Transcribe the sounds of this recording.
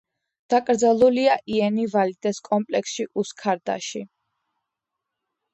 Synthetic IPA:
d̪̥akʼɾd̪zalˠuliaʔiɛnivalid̪̥ɛskʼɔmpʼlɛksʃiʔuskʰaɾd̪a̰ʃi

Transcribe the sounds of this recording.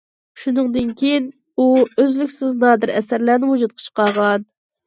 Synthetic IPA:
ʃunɨŋd̪ɨnkʲʰejin | uøzlykʲsɪznɑːd̪ɨɾɛsæɾlæːnɪmud͡ʒut̪̚qʰɑ̥t͡ʃʰə̥qɑʁɑn

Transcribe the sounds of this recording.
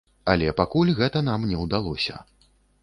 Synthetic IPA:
ɐlʲɛpakulʲɣɛt̪ɐnamnʲɛwd̪alˠɔsʲɐ̰

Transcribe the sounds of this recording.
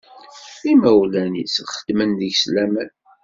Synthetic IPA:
imæwlænḭsχə̥d̪̥mənðəʝslæmən

